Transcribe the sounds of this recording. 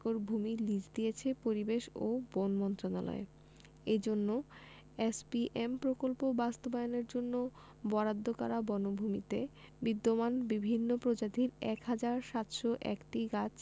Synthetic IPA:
koɾbʱumilid͡ʑd̪ijet͡ɕʰepoɾibeʃo̰bonmɔnt̪ɾona̰lɔ̰e | ed͡ʑonːo | espiʔempɾokolpobast̪obajoneɾd͡ʑonːo | bɔɾad̪ʱːokaɾabɔnobʱumit̪ebid̪ːomanbibʱinːopɾod͡ʑat̪iɾɛkɦad͡ʑaɾʃat̪ʃoʔɛ̰kʈiɡat͡ɕ

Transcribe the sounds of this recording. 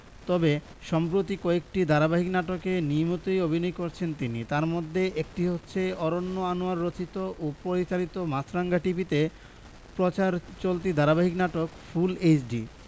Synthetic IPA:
t̪ɔbe | ʃɔmpɾot̪̬ikɔek̚ʈid̪ʱaɾabaɦiknaʈokenimot̪ojobʱinɔjkoɾt͡ɕʰent̪init̪aɾmod̪ʱːeʔek̚ʈiɦotːɕʰeɔɾonːoanoaɾːot͡ɕit̪oʔopoɾit͡ɕalit̪omat͡ɕɾaŋɡaʈipit̪e | pɾot͡ɕaɾt͡ɕolt̪̬id̪ʱaɾabaɦiknaʈokfulet͡ɕɖi

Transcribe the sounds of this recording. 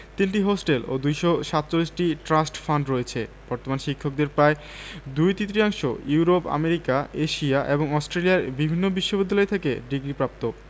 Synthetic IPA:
t̪inʈiɦosʈelo̰d̪ujʃoʃat̪ːt͡ɕolːisʈiʈɾasʈfaɳɖɾoet͡ɕʰeb̥ɔɾt̪omanʃikʰːok̚d̪eɾpɾae | d̪ujt̪it̪ːɾiaŋʃojuɾopa̰meɾikaeʃiaʔeboŋɔsʈɾeliaɾbibʱinːobiʃːobid̪ʱːalɔet̪ʰekḛɖiɡɾipɾap̚t̪o

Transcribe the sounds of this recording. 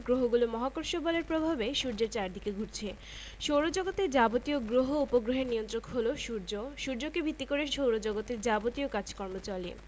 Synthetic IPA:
ɡɾoɦoɡulomɔɦakoɾʃobɔleɾpɾobʱabeʃuɾd͡ʑeɾt͡ɕaɾd̪ʱikeɡʱuɾt͡ɕʰe | ʃowɾod͡ʑɔɡot̪eɾd͡ʑabot̪ioɡɾoɦoupoɡɾoɦeɾniont̪ɾokɦoloʃuɾd͡ʑoʃuɾd͡ʑokebʱit̪ːikoɾeʃowɾod͡ʑɔɡot̪eɾd͡ʑabot̪iokat͡ɕʰkɔɾmot͡ɕalḭ

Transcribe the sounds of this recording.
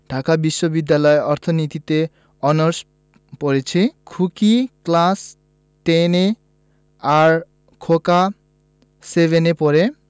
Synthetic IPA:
ɖʱakabiʃːobid̪ːalɔeɔɾt̪ʰonit̪it̪e | ɔnɔɾs | poɾet͡ɕʰikʰukiklas | t̪ene | aɾ | kʰoka | sebenepɔɾe

